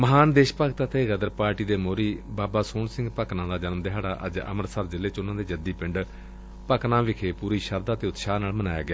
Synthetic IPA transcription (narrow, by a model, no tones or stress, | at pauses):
məɦaːnd̪eːʃpəkt̪ət̪eːɡəd̪əɾpaːɾʈiːd̪eːmoːɾiːbaːbaːsoːnsɪ̃ŋɡpəknãːd̪aːd͡ʒənmd̪ɪɦaːɽa̰ːʔə̰d͡ʒə̰məɾsəɾd͡ʒɪleːt͡ʃʊnãːd̪eːd͡ʒəd̪iːpɪɳɖ | pəknãːʋɪkʰeːpuːɾiːʃəɾd̪aːt̪eːʊt̪ʃaːnaːlmənaːja̰ːɡɪjaː